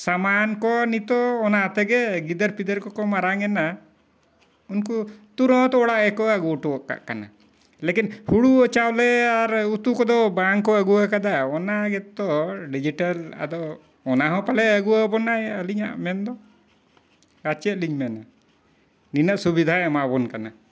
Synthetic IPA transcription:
samankɔnit̪ɔːnat̪ɛɡɛɡid̪əɾpid̪əɾkɔkɔmaɾaŋɛna | unkut̪uɾɔ̃t̪ɔɔɽaʔɛkɔaɡuʈɔɔʔka̰ʔkana̰ | lekinhuɽuɔt͡ʃawlɛaɾut̪ukɔd̪ɔbaŋkɔaɡuakad̪aɔnaɡɛt̪ːɔɖid͡ʒiʈala̰d̪ɔ | ɔnaɦɔ̃palɛəɡuwabɔnajəliɲa̰ʔmɛnd̪ɔ | ɡat͡ʃɛt̪liɲmɛna | ninaʔsubid̪ʱaamaʔbɔnkana

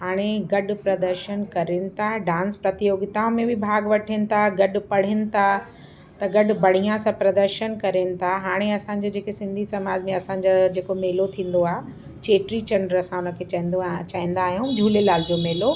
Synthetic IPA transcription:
ɦaːɽ̃eɡɐɖpɾɐd̪əɾʃənkɐɾenɪ̆t̪ʰaɖãːnspɾɐt̪ijoːɡɪt̪aʋmẽbɪbʱaːɡʋɐʈʰɪnɪ̆t̪ʰaɡɐɖʊpɐɽ̤ɪnɪ̆t̪ʰa | t̪ɐɡɐɖʊbɐɽ̤ijãsãpɾɐd̪əɾʃənkɐɾenɪ̆t̪ʰaɦaːɽ̃eɐsãɲ̆d͡ʑod͡ʑeːkesɪ̃nd̪ʱisɐmaːd͡ʑmẽɐsãːɲ̆d͡ʑad͡ʑeːkomeːlot̪ʰĩːn̆d̪oaːɦe | t͡ɕeːʈɾit͡ɕɐ̃ɳɖəɾɐsãʊnə̆kʰeːt͡ɕaɦĩnd̪t͡ɕaːɦĩːnd̪aːɦijũd͡ʑʱuːlelaːld͡ʑomeːlo

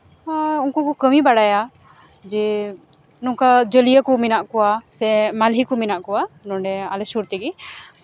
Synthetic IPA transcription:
aunkɔkɔkəmibaɽajad͡ʒɛ | nɔŋkad͡ʒəlijəkɔminaʔkɔwasɛmalɦikɔminaʔkɔwanɔɳɖɛalɛsuɾt̪ɛɡi

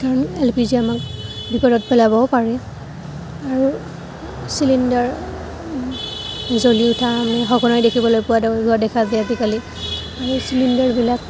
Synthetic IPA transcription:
kaɹɔnelpiziamakbipɔdɔt̚pɛlabɔpaɹɛ | aɹu | silindaɹ | zoliʊtʰamanɛxɔɡɔnajdekʰibɔlojpuwadbuadɛkʰazɛazikali | aɹusilindaɹbilak̚

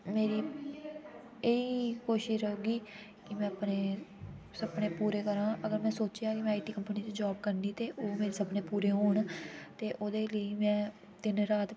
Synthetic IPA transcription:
meːɾiː | eiːkoːʃɪʃoːɡiː | kɪmɛ̃ːəpneː | səbɳeːpuːɾeːkəɾãːʔəɡəɾmɛ̃ːsoːt͡ʃjaːkɪmɛ̃ːaːʈiːkəmpəniːt͡ʃd͡ʒaːb̚kəɾnd̪iːt̪eːʔoːmeːɾeːsəbneːpuːɾeːɦoːɳt̪eːʔoːd̪eːləiːmɛ̃ː | t̪ɪnɾaːt̪

